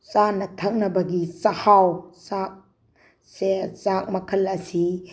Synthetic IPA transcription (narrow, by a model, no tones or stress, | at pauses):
t͡ʃanɐtʰɐk̚nɐbɐɡisɐhawsak̚ | sesak̚mɐkʰɐlɐsi